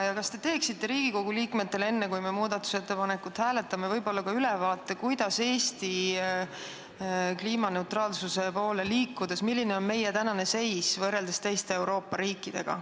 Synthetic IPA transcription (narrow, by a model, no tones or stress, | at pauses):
jɑkɑst̪e̞t̪e̞ːksit̪ːe̞ɾiːɡ̥iko̞ɡ̥uliːkme̞t̪ːe̞le̞nːe̞kujmemuːd̪̥ɑt̪ːˑu̥se̞t̪ːe̞pɑne̞kut̪hæːle̞t̪ːˑɑmevɤjbo̞lːɑkɑylevɑːt̪ːˑe̞kujd̪̥ɑse̞ːst̪i | kliːmɑne̞wt̪ɾrɑːlsuse̞po̞ːle̞liːkːˑud̪̥e̞smilʲːine̞o̞nme̞jet̪ænɑne̞se̞jsvɤrːe̞ld̪̥est̪e̞jst̪e̞e̞wɾo̞ːpːɑɾiːkːˑid̪̥e̞̰ɡ̥ɑ̰